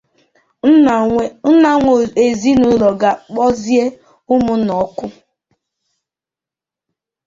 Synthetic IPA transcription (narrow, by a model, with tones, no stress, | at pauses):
n̩˦na˨ŋʷe˨zi˦nu˦lɔ˨ɡa˨k͡pɔ˦zje˦ | ʊ˦mʊ˦n̩˦nɔ˨˦kʊ˦